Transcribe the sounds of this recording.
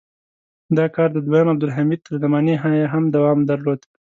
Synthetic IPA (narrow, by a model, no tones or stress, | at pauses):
d̪ɑkɑɾd̪əd̪wajɑnab̚d̪ʊlɦamid̪̚t̪ʰəɾzamɑniɦɑjaɦamd̪awɑmd̪aɾlod̪